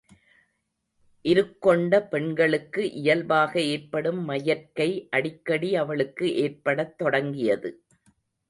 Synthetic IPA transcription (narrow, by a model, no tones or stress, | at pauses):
ʔɪɾɯkːɔɳɖɐpɛɳɡɐɭɯkːɯʔɪjɐlbaːɣɐeːɾpɐɽɯmːɐjɐɾkɐɪʔɐɽɪkːɐɽiɐʋɐɭɯkːɯʔeːrpɐɽɐt̪ːɔɽɐŋɡɪjɐðɯ